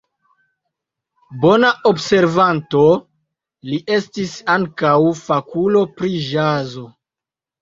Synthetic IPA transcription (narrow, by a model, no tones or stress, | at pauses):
bo̞naʔo̞bse̞ɾvanto̞ | liʔe̞stisaŋkawfakulo̞pɾiʒazo̞